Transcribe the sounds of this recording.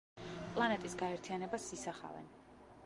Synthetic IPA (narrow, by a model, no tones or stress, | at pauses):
pʼlˠanɛt̪ʼisɡaɛɾt̪ʰijanɛbasisaχa̰vɛ̰n